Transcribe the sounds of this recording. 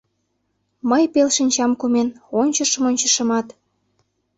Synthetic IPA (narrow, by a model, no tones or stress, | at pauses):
məjpelʃinʲt͡ɕɑmkumenonʲt͡ɕə̆ʃə̆monʲt͡ɕə̆ʃə̆mɑt̪